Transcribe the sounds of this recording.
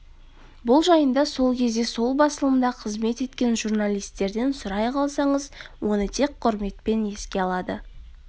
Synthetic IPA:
bʊlˠʒɑjənd̪ɑso̞lˠkʲʰe̞zd̪e̞so̞lˠbɑsəlˠəmd̪ɑqʰəzme̞t̪e̞t̪kʲe̞nʒurnalʲijst̪e̞ɾd̪e̞nsʊɾɑjqʰɑlˠsɑɴəzwo̞nət̪ʰe̞k̚qʰʊɾme̞t̪pe̞ne̞skʲe̞ɑlˠɑd̪ə

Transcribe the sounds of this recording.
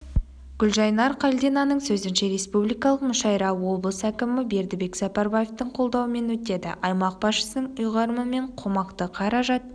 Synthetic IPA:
ɡ̥ʲʏlʒɑjnɑɾqʰɑlʲd̪enɑnəɴsɵzɪnʃe̞ɾe̞spublijkɑlˠəqmʊʃɑjɾɑwwo̞blˠəsəækʲɪmɪbe̞ɾd̪ɪbe̞kz̥ɑpɑɾbaje̞ft̪əɴqʰo̞lˠd̪ɑwəme̞nwɵt̪e̞d̪ɪ̰ʔɑjmɑq̚b̥ɑsʃə̥sənəɴʊjʁɑɾəməme̞ɴqʰo̞mɑqt̪əqʰɑɾɑʒɑt̪̚

